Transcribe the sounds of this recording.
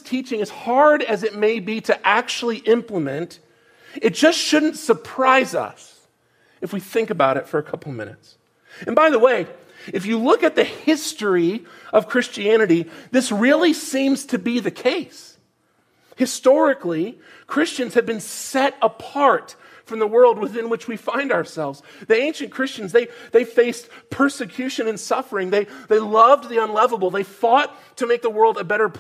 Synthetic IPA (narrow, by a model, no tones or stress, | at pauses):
tʰit͡ʃɪ̃ŋɨz̥hɑɹɾɨzɨt̚meɪbiɾɨʔæk̚t͡ʃul̩ˠiʔɪ̃mpləmɨ̃nt | ɨt̚d̥ʒ̥ʌstʃʊdⁿn̩tsə˞pʰɹ̥aɪzʌ̰s | ɨfwiθɪ̃ŋkɨbaʊɾɨtfə˞ɨkʰʌpl̩ˠmɪ̰nɨ̰ts | ɨ̃nbaɪðəweɪ | ɨfjɨlʊkɨt̪̚ðɨhɪstɹiʌv̥kʰɹ̥ɪst͡ʃiænɨɾiðɪsɹɪlˠisĩmz̥tʰɨbiðɨkʰeɪs | hɨstɔɹɨkli | kʰɹ̥ɪst͡ʃɨ̃nz̥ɨd̚bɨ̃nsɛɾəpʰɑɹt | fɹʌ̃mðəwɜ˞lˠd̚wɨθɪ̃nwɨt͡ʃwifãɪ̃ndaə˞sɛlˠvz | ðiẽɪ̃nʃɨ̃nkʰɹ̥ɪst͡ʃɨ̃n̩zðeɪðeɪfeɪspʰɜ˞sɨkʰj̥ʉʃɨ̃nɨ̃nsʌfə˞ɪ̃ŋðeɪðeɪlʌv̚ðiə̃nlɛvəbl̩ˠðeɪfɔtʰɨmeɪk̚ðəwɜ˞lˠdɨbɛɾə˞pʰ